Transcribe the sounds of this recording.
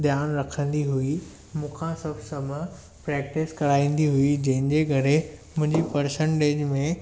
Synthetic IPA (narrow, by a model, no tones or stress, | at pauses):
d̪jaːnɾɐkʰə̃nd̪iɦui | mũːkʰãsɐbʱsɐm | pɾɛːk̚ʈɪskɐɾaːĩːn̆d̪iɦuid͡ʑɐ̃ɦɪ̃nd͡ʑeːkɐɾemʊ̃ɦɪ̃ɲd͡ʑipɐɾsə̃ɳʈeːd͡ʑmẽ